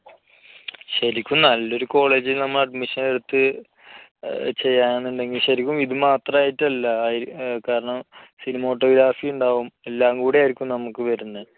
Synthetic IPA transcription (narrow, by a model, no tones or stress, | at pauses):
ɕɐɾikʲːumnɐlːo̞ɾuko̞ːɭe̞ːd͡ʑilnɐmːɐɭɐɖmiʂɐneɽut̪ːɨ | t͡ɕe̞jːaːnɳuɳɖe̞ŋɡilɕɐɾikʲːumiðɨmaːt̪rɐmaːjiʈːɐlːɐːjkaːɾɐɳɐmsinimo̞ːʈːo̞ːɡɾaːfijuɳɖaːʋume̞lːaːŋɡuːɽeaːjiɾikʲːumnɐmukːɨʋɐɾunːɨ